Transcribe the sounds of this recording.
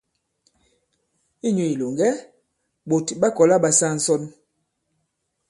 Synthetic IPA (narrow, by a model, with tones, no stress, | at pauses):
i˦ɲo˨i˨lo˨ŋɡɛ˦ | ɓo˨tɓa˦kɔ˨la˦ɓa˨sa˦˨n̩˦sɔ˦n